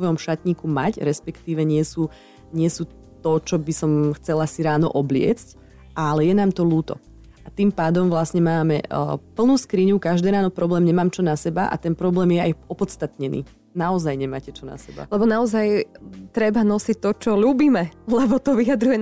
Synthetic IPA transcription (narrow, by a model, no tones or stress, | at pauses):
ʋɔjɔmʃat̪ɲiːkuma̰cɾɛspɛkt̪iːʋɛɲɪɛsuː | ɲɪɛsuː | t̪ɔt͡ʃɔbisɔmxt͡sɛlasiɾaːnɔ̰ʔɔblɪɛ̰t͡sc | alɛjɛnaːmt̪ɔluːt̪ɔ̰ | ʔat̪iːmpaːd̪ɔmʋlasɲɛmaːmɛ̰pl̩nuːskɾiɲukaʒd̪ɛːɾaːnɔpɾɔblɛːmɲɛmaːmt͡ʃɔnasɛbaʔa̰t̪ɛnpɾɔblɛːmjɛajɔpɔt̪t͡st̪at̪ɲɛnʔḭː | naɔzajɲɛmaːcɛt͡ʃɔna̰sɛba̰lɛbɔnaɔzajt̪ɾɛbanɔsic̚t̪ɔt͡ʃɔluːbiːmɛlɛbɔt̪ɔʋijad̪ɾujɛ